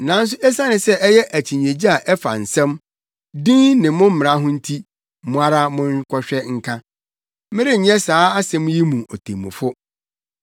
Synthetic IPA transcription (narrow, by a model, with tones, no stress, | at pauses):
nã˨˦n̩˦s̬ʊ˦ʔɛ˦sa˦nɪ̃˨sɛ˦ʔɛ˦jɛ˦ʔæ˨t͡ɕʰi˨ɲ˨ẽ˨d͡ʑi˦a˨ʔɛ˦fa̰˨n̩˨sɛ̃˦m | dĩ˦nɪ̃˨mʊ̃˦m̩˦m̃˨ã˦ɦʊ̃˦n̩˦tʰi˦ | mʊ̃˦a˦ɾa˦mʊ̃˦nkʰɔ˦ɕᶣɛ˦ŋ̩˦kʰã˦ | mɪ˦ɾɪ˦ɲ̩˨ɲɛ̃˦saː˨˦a˦sɛ̃˦m˦ji˦mũ˨ʔo˨tʰḛ̃˨mʊ̃˨fʊ˦